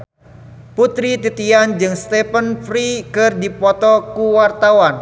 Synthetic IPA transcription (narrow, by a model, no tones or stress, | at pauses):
put̪ɾit̪it̪iand͡ʒɨŋst̪epənfɾikərdipɔt̪ɔkuwart̪awan